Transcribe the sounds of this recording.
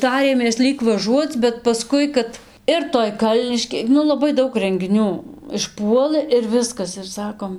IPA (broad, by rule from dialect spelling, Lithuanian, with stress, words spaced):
ˈtɑːrʲeːmʲeːs ˈlʲiːk ʋɐˈʒuɔt͡s bʲɛt pɐˈskʊɪ kɐt ɪr ˈtoːj ˈkɐlʲnʲɪʃʲkʲeː ˈnʊ lˠɐˈbɐɪ ˈdɐʊk rʲɛŋʲɡʲɪˈnʲuː ɪʃˈpuɔlˠɘ ɪr ˈʋʲɪskɐs ɪr ˈsɑːkoːm